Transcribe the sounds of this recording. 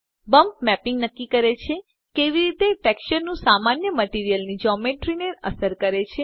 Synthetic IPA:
bəmp̚mɛpɪ̃ŋɡnəkːikəɾet͡ʃʰe | keʋiɾit̪efɛkʃəɾnũsamanjəməʈiɾijəlnid͡ʒɔmeʈɾineɾə̰səɾkəɾet͡ʃʰe

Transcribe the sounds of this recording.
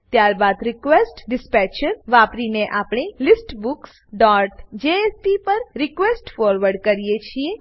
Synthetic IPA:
t̪jaɾbad̪ɾɪkʋesʈɖɪspɛt͡ʃəɾʋapɾineʔapɳ̃ilisʈbuks | ɖɔʈd͡ʒeespipəɾɾɪkʋesʈfɔɾʋəɾɖkəɾijet͡ʃʰie

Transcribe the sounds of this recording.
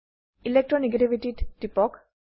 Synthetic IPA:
ilek̚ʈɾoneɡeʈibiʈiʈʈːipɔk

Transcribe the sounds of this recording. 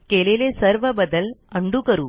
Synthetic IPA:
keːlɐjleːsɐɾʋɐbɐd̪ɐlɐɳɖukɐɾu

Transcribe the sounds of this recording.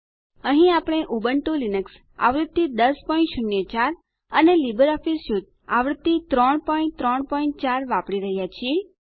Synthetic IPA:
əɦĩapɽ̃eʔobəɳʈolinəks | a̰ʋɾət̪ːid̪əspɔĩɳʈʃʊnːjət͡ʃaɾ | ənelibəɾɔfisjud̪̚ | aʋɾət̪ːit̪ɾəɳpɔĩɳt̪ɾɔɳpɔĩɳʈ̚t͡ʃaɾʋãpɽiɾəɦjat͡ʃʰie

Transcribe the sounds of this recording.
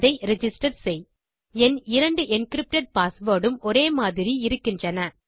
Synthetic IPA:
ðɐɪɾɛd͡ʒɪsʈɐɾsɛɪj | ɛnɪɾɐɳɖɯʔɛnkɪɾɪp̚ʈɐʈ̚paːsʋoːɽɯmɔɾeːmaːðɪɾiɪɾɯkːɪndrɐnɐ

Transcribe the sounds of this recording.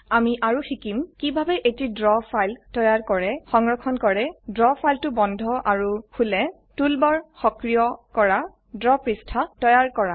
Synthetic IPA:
amiʔaɹuxikimkibʱabɛʔetidɹɔpʰajltɔjaɹkɔɹɛxɔŋɹɔkʰɔnkɔɹɛdɹɔpʰajltʊbɔndʱɔʔaɹukʰulɛ | tulbɔɹxɔkɹijɔkɔɹa | dɹɔpɹistʰatɔjaɹkɔɹa

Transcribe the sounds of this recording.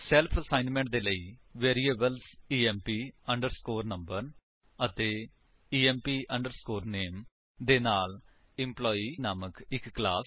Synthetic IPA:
sɛːlpʰəsaːɪnmɛ̃ɳʈ̚d̪eːləiːʋeːɾiːeːbəlsiːɛːmpiːəɳɖəɾskoːɾnəmbəɾ | ət̪eː | iːɛ̃ːmpiːʔəɳɖəɾskoːɾneːm | d̪eːnaːl | ɪ̃mplɔːiːnaːməkɪkːla̰ːs

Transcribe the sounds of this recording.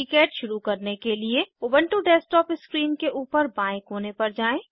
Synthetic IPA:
ɪkeːʈʃʊɾukɐɾnekelieobə̃ɳʈuɖɛːsʈɔːpɪskɾiːnkeʔuːpəɾbãːɪ̃kɦoːnepɐɾd͡ʒaːẽː

